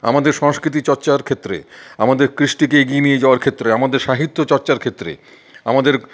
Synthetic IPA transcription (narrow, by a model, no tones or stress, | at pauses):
a̰mad̪eɾʃɔŋskɾit̪̬it͡ɕɔɾt͡ɕaɾkʰet̪ːɾḛamad̪eɾkɾiʃʈikeeɡienijed͡ʑaoaɾkʰet̪ːɾeamad̪eɾʃaɦit̪ːot͡ɕɔɾt͡ɕaɾkʰet̪ːɾḛ | a̰mad̪eɾ